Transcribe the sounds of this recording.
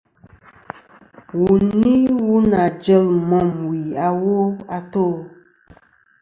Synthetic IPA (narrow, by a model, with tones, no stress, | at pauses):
wu˨ni˦wu˦na˨d͡ʒə˦˨lmɔ˦˨mwi˨a˨wo˦a˨to˦˨